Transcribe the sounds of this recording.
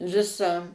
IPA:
ˈʋʲɪsɑː

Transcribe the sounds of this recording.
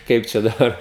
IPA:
ˈkɐɪp t͡ʃʲɛ dɐˈbɐr

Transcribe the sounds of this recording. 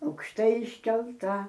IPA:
ɐʊkʃˈtɐɪ ɪʃʲkʲɛlˠˈtɐ

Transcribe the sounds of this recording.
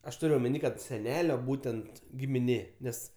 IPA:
ɐʃ ˈtʊrʲ oːmʲɛˈnʲiː ˈkɐt sʲɛˈnʲæːlʲoː ˈbuːtʲɛnt ɡʲɪmʲɪˈnʲeː ˈnʲɛs

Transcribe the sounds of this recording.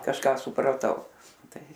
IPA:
kɐʃˈkɑː sʊprɐˈtɐʊ ˈtɐɪ

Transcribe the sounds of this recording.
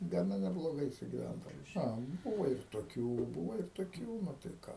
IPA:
ɡɐˈnɐ nʲɛblˠoːˈɡɐɪ sʊɡʲɪˈʋʲændɐʋɐ ˈɐ ˈbuːʋɐ ɪr toːˈkʲuː ˈbuːʋɐ ɪr toːˈkʲuː ˈnʊ tɐɪ ˈkɑː

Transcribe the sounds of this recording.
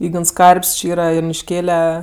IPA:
ˈiːɡns ˈkɐrʲpʲsʲ t͡ʃʲɪ ˈiːrɐ jʊnʲɪʃʲˈkʲeːlʲɛ

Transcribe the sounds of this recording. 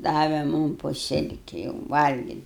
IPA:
ˈdɑːʋʲɛ ˈmʊm poː ˈsʲɪlʲkʲɪ jɛʊ ʋɐlʲɡʲɪtʲ

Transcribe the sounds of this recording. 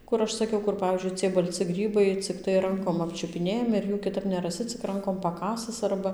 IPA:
ˈkʊr ˈɐʃ sɐˈkʲɛʊ ˈkʊr ˈpɑːʋʲiːzʲd͡ʒʲʊɪ t͡sʲiɛj bɐlʲˈt͡sʲɪ ˈɡrʲiːbɐɪ t͡sʲɪkˈtɐɪ ˈrɐŋkoːm ˌɑːpʲt͡ʃʲʊpʲɪˈnʲeːjɛmʲɪ ɪr ˈjuː kʲɪˈtɐp nʲɛrɐˈsʲɪ t͡sʲɪk ˈrɐŋkoːm pɐˈkɑːsɨs ˈɐrbɐ

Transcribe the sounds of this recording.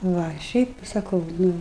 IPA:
ˈʋɐ ˈʃʲɛɪp sɐˈkɐʊ ˈnʊ

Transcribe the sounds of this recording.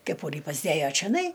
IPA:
kʲɛˈpuːrʲiː pɐzʲˈdʲeːjoː t͡ʃʲoːˈnɐɪ

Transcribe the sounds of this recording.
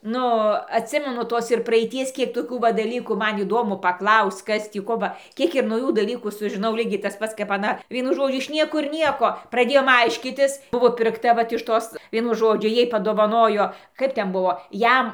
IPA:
ˈnʊ ɐtʲˈsʲɪmʲɛnʊ ˈtoːs ɪr prɐɛɪˈtʲiɛs ˈkʲiɛk toːˈkʲuː ˈʋɐ dɐˈlʲiːkuː ˈmɐn iːˈdoːmʊ pɐkˈlˠɐʊsʲt͡sʲ ˈkɐs ˈtʲiː ˈkoː bɐ ˈkʲiɛk ɪr nɐʊˈjuː dɐˈlʲiːkuː sʊʒʲɪˈnɐʊ ˈlʲiːɡʲɛɪ tɐs ˈpɐts kɐp ɐˈnɐ ˈʋʲiɛnʊ ˈʒoːd͡ʒʲʊ ɪʃ ˈnʲiɛkʊr ˈnʲiɛkoː prɐˈdʲeːjoːm ˈɐɪʃʲkʲiːtʲɪs ˈbʊʋoː pʲɪrkˈtɐ ˈʋɐt ɪʃ ˈtoːs ˈʋʲiɛnʊ ˈʒoːd͡ʒʲʊ ˈjɛɪ pɐdoːʋɐˈnoːjoː ˈkɐɪp ˈtʲɛn ˈbʊʋoː ˈjɛm

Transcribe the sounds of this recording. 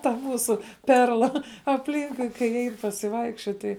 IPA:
tɐ ˈmuːsʊ ˈpʲɛrlˠɐ ɐpʲˈlʲiːŋkʊɪ kɐɪ ˈɛɪn pɐsʲɪˈʋɐɪkʃʲt͡ʃʲoːt ˈtɐɪ

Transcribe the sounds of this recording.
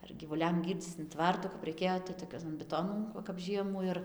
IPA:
ɐr ɡʲiːʋʊˈlʲɛm ˈɡʲiːrʲd͡zʲiːt͡s ɪn ˈtʋɐrtʊ kɐp rɐɪˈkʲeːjoː tɐɪ toːˈkʲɛn bʲɪˈtoːnɐn ˈʋɐ kɐp ˈʒʲiɛmuː ɪr

